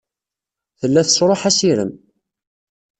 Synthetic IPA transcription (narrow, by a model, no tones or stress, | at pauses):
θəlːæθəsɾˤoħæsiɾəm